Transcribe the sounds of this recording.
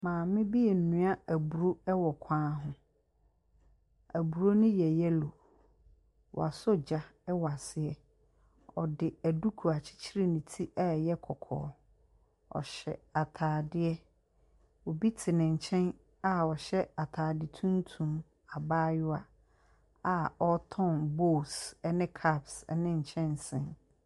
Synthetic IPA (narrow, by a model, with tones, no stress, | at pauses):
mãː˨mɪ̃˦bi˦ɛ˨n̩˨nũ˨˦a˦æ˨bu˨ɾo˦ɛ˦wɔ˨kʷʰãː˦ɦʊ̃˦ | æ˨bu˨ɾo˦nʊ̃˦jɛ˨jɛ˦lo˨ | wɔ̰˨a˨sʊ˦d͡ʑa˦ɛ˦wɔ˨a˨sɪ˦ɛ˨ | ɔ˨dɪ˨æ˨du˦kʰu˨a˨t͡ɕʰɪ̥˦t͡ɕʰɪ˦ɾi˦nɪ̃˨tʰi˦ʔa˦˨jɛ˦kʰɔ˨kʰɔ̰ː˨˦ | ɔ̰˨ɕɛ̰˨a˨tʰaː˨dɪ˦ɛ˦ | wɔ˨bi˦tʰɪ˨nɪ̃˨ɲ̩˨t͡ɕʰɛ̃˦n | a˨ɔ˨ɕɛ˦a˨tʰaː˨dɪ˨tʰũ˦n˦tʰũ˨m | a˨baː˦jʊ˦a˨ | a˨ɔ˦tʰɔ̃˦nbo˦˨sɛ˦nɪ̃˦kʰa˦˨bsɛ̰˦nɪ̃˦ɲ̩˨t͡ɕʰɛ̃˦n˨sɪ̃˨n